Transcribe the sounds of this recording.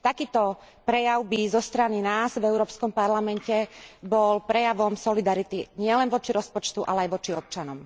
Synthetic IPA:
t̪akiːt̪ɔ | pɾɛjaʊbizɔst̪ɾaninaːzvɛʊɾɔːpskɔmpaɾlamɛncɛbɔlpɾɛjaʋɔmsɔlid̪aɾit̪iɲɪɛlɛnʋɔt͡ʃiɾɔspɔt͡ʃt̪uʔa̰lɛajʋɔt͡ʃiɔp̚t͡ʃanɔm

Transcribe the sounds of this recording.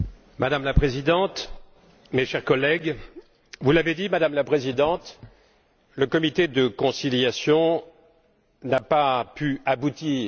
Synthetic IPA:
mad̪amlapχezid̪ɑ̃t̪ | meʃɛʁkɔlɛɡ | vulaved̪imad̪amlapχezid̪ɑ̃t̪ | ləkɔmit̪ed̪əkɔ̃siljasjɔ̃ | napapyabut̪iː

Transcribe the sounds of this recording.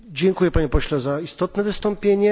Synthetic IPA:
d͡ʑɛŋkujɛpaɲɛpɔɕlɛzaist̪ɔt̪nɛvɘst̪ɔmpʲjeɲɛ

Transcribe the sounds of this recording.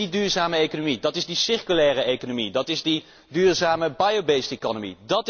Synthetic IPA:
idyːɹzaːməejkonomidɑtɪzdisɪɹkylɛːrəejkonomidɑtɪzdi | dyːɹzaːməbajobejstekɔnəmḭdɑt

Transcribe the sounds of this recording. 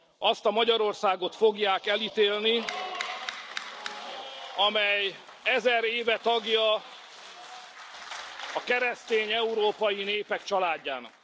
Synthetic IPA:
ʔɒst̪ɒmɒɟɒɾo̞rsaːɡo̞t̪fo̞ɡjaːkɛlit̪eːlni | ɒmɛj | ɛzɛɾeːvɛt̪ɒɡjɒ | ɒkɛɾɛst̪eːɲɛuɾoːpɒjineːpɛkt͡ʃɒlaːɟːa̰ːnɒ̰k

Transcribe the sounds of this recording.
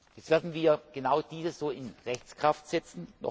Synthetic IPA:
jɛt͡stv̥eːɐdn̩viːɐɡ̥ənaʊd̥iːzəsz̥oːɪnʁɛçt͡skʁ̥aftz̥ɛt͡sn̩nɔ̰

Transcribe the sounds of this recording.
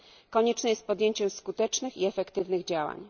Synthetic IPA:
kɔɲɛt͡ʂnɛjɛst̪̚pɔd̪ʲjeɲt͡ɕɛmskut̪ɛt͡ʂnɘxiɛfɛkt̪ɘvnɘɣd͡ʑawa̰ɲ

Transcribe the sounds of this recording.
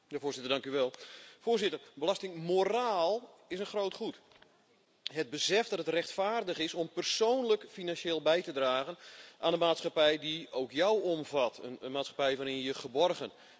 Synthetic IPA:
jafoːzɪtərdaŋkyʋɛlˠfoːrzɪtərbəlastɪŋmoraːlˠɪsənxrowtχut | ɦəd̚bəsɛfdɑtətrɛxtfaːrdəχɪsɔmpərsoːnləkfinanʃeːlˠbɛjtədraːɣənʔaːnənmaːtsχapɛjdiowkjawɔmvatʰənmaːtsχḁpɛjʋaːɾɪnəjəχəbɔrɣən

